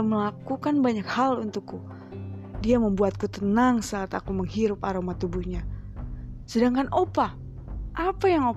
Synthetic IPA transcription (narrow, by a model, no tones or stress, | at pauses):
məlakukanbaɲakhalunt̪ukːu | diaməmbuat̪̚kut̪ənaŋsat̪akuməŋɦiɾʊpaɾomat̪ubuhɲa | sədaŋkanʔopa | ʔapajaŋo